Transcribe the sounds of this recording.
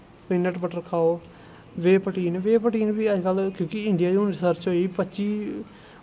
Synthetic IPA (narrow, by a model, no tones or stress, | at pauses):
piːnəʈbəʈəɾkʰaːoː | ʋeːpəʈiːnʋeːpəʈiːnʋiːəd͡ʒkəlkjõːkɪɪɳɖɪijaːd͡ʒõːnɾɪsəɾt͡ʃɦoːiːpətːt͡ʃiː